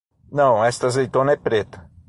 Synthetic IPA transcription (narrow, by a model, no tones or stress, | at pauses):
nɐ̃w̃ɛst̪ɐzejt̪õnɐɛpɾet̪ɐ̥